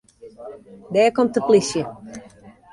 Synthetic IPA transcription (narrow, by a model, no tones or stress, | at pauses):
dɛːkomtəplisjə